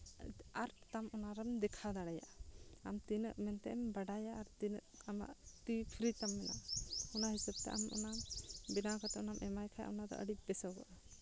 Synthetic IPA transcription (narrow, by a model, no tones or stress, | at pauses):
aɾt̪amɔnaɾɛmd̪ɛkʰad̪aɽɛja̰ʔaamt̪inəʔmɛnt̪ɛʔɛmbaɖajaʔaɾt̪inəʔama̰ʔt̪ipʰiɾit̪amːɛna̰hɔnaɦisəb̚t̪ɛ̰ʔa̰mʔɔ̰nabinakat̪ɛʔɔnamʔɛmajkʰaja̰ʔɔnad̪ɔ̰ʔə̰ɽic̚bɛsɔwɡɔʔa